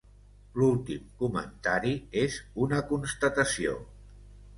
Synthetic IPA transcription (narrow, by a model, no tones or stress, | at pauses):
lulˠt̪imkumə̰nt̪aɾiezunəkunst̪ət̪əsio̰